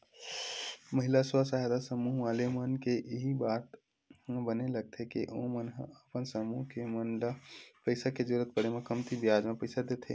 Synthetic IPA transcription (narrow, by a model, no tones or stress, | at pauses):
məɦɪlaswasaɦad̪asəmuːɦʋaːlemənkeʔɪɦibaːt̪ | bəneləɡ̚t̪ʰekeʔõ̰mənɦəpənsəmuɦkemənlapəɪsaked͡ʒʊɾət̪̚pəɽemẽkəmt̪ibijaːd͡ʒmẽpəɪsad̪et̪ʰḛ